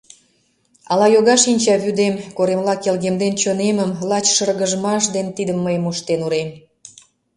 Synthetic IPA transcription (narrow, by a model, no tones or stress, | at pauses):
ɑlɑjoɣɑʃinʲt͡ɕɑβyd̪emkoɾemlɑkelɣemd̪ent͡ɕoneməmlɑt͡ɕʃərɣəʒəmɑʃd̪ent̪id̪əmːəjmoʃt̪enuɾem